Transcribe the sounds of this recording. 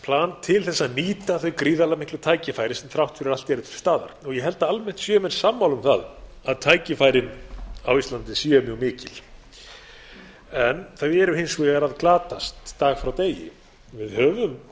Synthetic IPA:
pʰlaːnt̪ʰɪlθɛsːaniːt̪aθœɥkɾiːðalamɪhklʏt̪ʰaːjcɪfaːjɾɪsɛmθɾawht̪fɪɾɪɾalt̪ɛɾʏθst̪aːða̰ɾ̥ɔɣjɛɦɛl̪t̪aalmɛn̥t̪sjœːmɛnsamːawlʏmθað | aðt̪ʰaːjcɪfajɾɪnawist̪lant̪ɪsjœːmjœɣmɪːcɪl̥ | ɛnθaðɪɛɾʏhɪnsvɛɣaɾaðklaːt̪ast̪ːaːɣfɾawt̪eːjɪ̰ | vɪðhœːvʏm

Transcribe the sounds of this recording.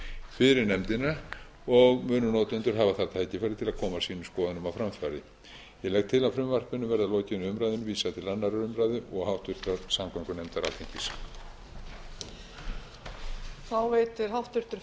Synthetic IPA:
fɪɾɪɾnɛmt̪ɪna | ɔɣmʏːnʏnɔːt̪ʏnt̪ʏɾ̥ɦaːvaθaɾ̥t̪ʰaːjcɪfajɾðɪt̪ʰɪlaðkʰɔːmasiːnʏmskɔːðʏnʏmawfɾamfaːɾðɪ | jɛlɛɣ̚t̪ʰːɪlaðfɾʏmvar̥pʏnːʏmvɛɾðaloːcɪnʏʏmɾajðʏnʏviːsat̪ʰɪlanːaɾaɾʏmɾajðɪɔɣhawht̪vʏr̥t̪aɾsamkʰaŋkʏnɛmt̪aɾa̰ːlt̪ʰeŋ̥cɪs | θawveːjt̪ɪɾ̥ɦawht̪ʏɾ̥t̪ʏɾ

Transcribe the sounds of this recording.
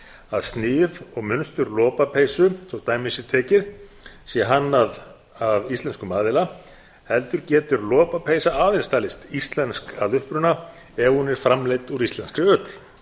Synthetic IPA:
aðst̪nɪːðɔɣmʏnst̪ʏɾlɔːpapʰeːjsʏsɔwt̪aːjmɪsɪɾt̪ʰɛːcɪð | sjɛɦanːað | avist̪lɛnskʏmaːðɪla | hɛlt̪ʏɾcɛːt̪ʏɾlɔːpapʰejsaaðɪnst̪aːlɪst̪ist̪lɛnskaðʏhpɾʏna | ɛvhunɪɾ̥fɾamleːjt̪uɾist̪ɛnskɾɪʏt̪l̥

